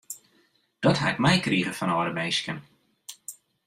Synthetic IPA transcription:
d̥ɔtɦa̰ɪk̚mɛjkriːɣəfɔnɔːɾəmejskən

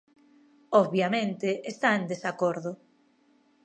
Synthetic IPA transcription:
ɔββjamẽnt̪eʔest̪aend̪esakoɾðʊ

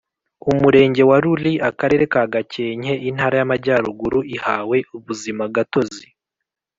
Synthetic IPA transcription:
umuɾe̞ːɲɟe̞waɾuliakaɾe̞ːɾe̞kaɡace̞ːɲhe̞ʔin̥haːɾajamaɟaːɾuɡuɾuihaːwe̞ʔuβuzimaɡato̞zi

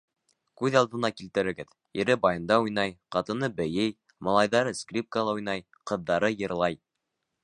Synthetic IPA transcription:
kʉðɑlˠd̪ɤ̆nɑkilt̪ɘ̆ɾɘ̆ɡɘð | jɘ̆ɾɘbɑjɤ̆nd̪ɑujn̪ɑjqɑt̪ɤ̆nɤbɘ̆jɘj | mɑlˠɑjðɑɾɤskrʲip̚kəlˠɑujnɑj | qɤ̆ðːɑɾɤjɤ̆ɾlˠɑj

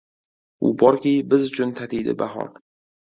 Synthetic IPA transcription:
ʊ̰bɒɾkʲijbɪzʊt͡ʃʰʊnt̪ʰat̪ʰijd̪ɪ̰baɦɒ̰ɾ

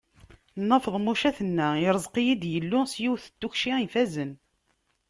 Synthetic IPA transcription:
nːəfəðˤmuʃæθənːæiɾˤəzqijid̪jəlːʊsjiwθə̥t̪ːuçʃiifæzən

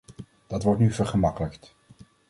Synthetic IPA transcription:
d̥ɑtʋɔɹtnyvəɹχəmɑkələkt

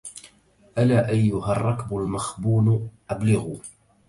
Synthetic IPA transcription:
ʔalaːʔajːʊharˤːɑkbʊlmaxbuːnʔablɪɣuː

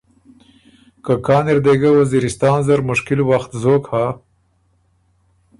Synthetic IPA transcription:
kakɑːniɾd̪eɡawaziɾɪst̪ɑːnzaɾmʊʃkɪlwaxt̪zokha

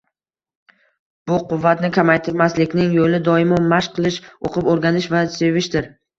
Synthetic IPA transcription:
b̥ʊqʊvːat̪nɪkʲʰamajt̪ʰɪɾmaslɪkʲnɪŋjolɪd̪ɒɪmɒnmaʃqʰɨlˠɪʃoqʰɨpoɾɡʲanɪʃvase̞vɪʃd̪ɪɾ

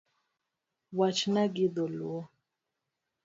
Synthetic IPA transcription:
wat͡ʃnaɡiðoluɔ

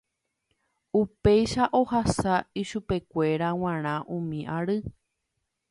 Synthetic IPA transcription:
upejʃaʔo̞hasaiʃupe̞kʷe̞ɾaw̃ãɾ̃ãʔũmĩʔaɾɨ

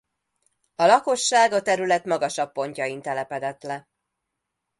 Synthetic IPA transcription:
ɒlɒko̞ʃːaːɡɒt̪ɛɾylɛt̪mɒɡɒʃɒpːo̞ɲcɒint̪ɛlɛpɛd̪ɛt̪lɛ

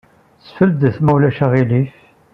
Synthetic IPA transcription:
t͡sːfəld̪əθmæwlæʃæʁilif

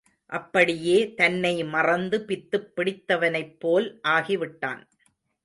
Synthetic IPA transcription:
ʔɐpːɐɽɪjeːt̪ɐnːɐɪmɐrɐnd̪ɯpɪt̪ːɯpːɪɽɪt̪ːɐʋɐnɐɪpːoːlʔaːɣiʋɪʈːa̰ːn

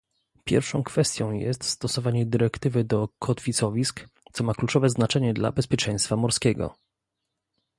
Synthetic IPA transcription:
pʲjɛ̰ɾfʂɔ̃w̃kfɛst̪ʲjɔ̃w̃jɛ̰st̪st̪ɔsɔvaɲɛd̪ɘɾɛkt̪ɘvɘd̪ɔkʰɔt̪fʲit̪sɔvʲiskt̪sɔmaklut͡ʂɔvɛznat͡ʂɛɲɛd̪la̰bɛspʲjɛt͡ʂɛ̃j̃st̪famɔɾskʲɛɡɔ̰

